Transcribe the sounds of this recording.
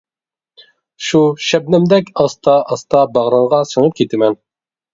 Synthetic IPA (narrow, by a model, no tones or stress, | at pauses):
ʃuʃɛb̚nɪmd̪ɛkʲʰɑst̪ʰɑʔɑst̪ɑbɑʁɾɑɴʁɑsəŋɨp̚kʲʰet̪ʰɪmɛn